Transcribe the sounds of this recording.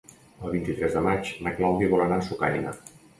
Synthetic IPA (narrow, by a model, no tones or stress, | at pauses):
əlˠβ̞int̪it̪ɾɛzðəmat͡ʃməklawðiβɔlənasuka̰jnə̰